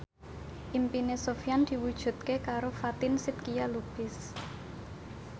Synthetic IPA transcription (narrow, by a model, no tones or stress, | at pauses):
ʔimpinesofijand̪̥i̤wud̥ʒ̥ṳt̪̚kekaɾofat̪ɪnsɪt̪̚kijalub̥ɪs